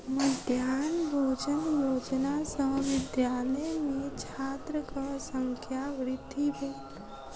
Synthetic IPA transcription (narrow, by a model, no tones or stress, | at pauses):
məd̪ʱjaːnbʱoːd͡ʒənjoːd͡ʒnasə̃ɦʋɪd̪jaːləjmẽt͡ʃʰaːt̪ɾəkasə̃ŋkʰjaʋɾɪd̪ʱibəit̪